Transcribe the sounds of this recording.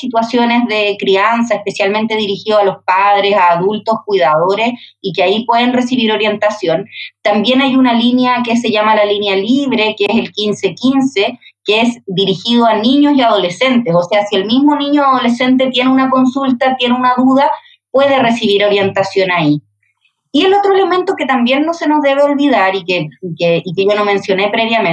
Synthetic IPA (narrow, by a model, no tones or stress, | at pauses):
sit̪wasjo̞ne̞zðekɾiansaehpe̞sjalme̞nt̪e̞ðiɾixiðoalo̞spaðɾe̞saːðult̪o̞skwiðaðo̞ɾe̞sikeaipwe̞ðenre̞siβiɾo̞ɾje̞nt̪asjo̞nt̪ambje̞najunalinjakes̬eʝamalalinjaliβɾe̞keeselkinse̞kinse̞ | keesd̪iɾixið̞oaniɲo̞siaðo̞le̞se̞nt̪eso̞se̞asie̞lmizmo̞niɲoaðo̞le̞se̞nt̪̬e̞t̪je̞neunakonsult̪at̪je̞neunaðuð̞a | pwe̞ð̞e̞resiβ̞iɾo̞ɾje̞nt̪asjo̞nai | ie̞lo̞t̪ɾoele̞ment̪oke̞t̪ambje̞nːo̞se̞nozðe̞β̞eo̞lβiðaɾikeikeikeʝo̞no̞mẽ̞nsjo̞ne̞pɾeβjame